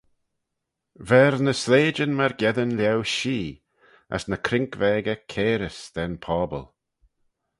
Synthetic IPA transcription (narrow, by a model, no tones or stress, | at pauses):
vɛɾnəsleːd͡ʒənməɾɡɛðənljawʃiː | ə̰snəkʰɾɪŋkvɛːɡəkʰeːɾəsd̪̥ɛnpʰɔːbə̰lˠ